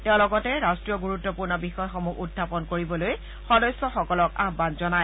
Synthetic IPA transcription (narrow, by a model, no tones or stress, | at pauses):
tɛʊ̃lɔɡɔtɛɹastɹijɔɡuɹutːɔpuɹnɔbixɔjxɔmuɡutdʰʱapɔnkoɹibɔloj | xɔdɔsːɔxɔkɔlɔkaɡbanzɔnaj